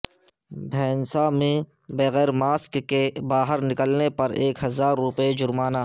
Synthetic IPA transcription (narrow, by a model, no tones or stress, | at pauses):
bʱɛːnsamẽ | beɣɛːɾmaːskkebaːɦəɾnɪkəlnepɐɾeːkɦɐzaːɾːʊped͡ʒʊɾmaːnaː